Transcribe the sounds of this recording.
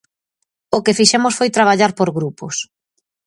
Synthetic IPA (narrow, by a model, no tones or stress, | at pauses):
ʊkɪfiʃɛmʊsfojt̪ɾaβaʎaɾpoɾɣɾupʊs